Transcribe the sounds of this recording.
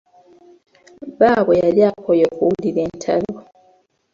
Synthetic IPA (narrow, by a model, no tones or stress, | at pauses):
baːβojaliakojokuulileːntʰalo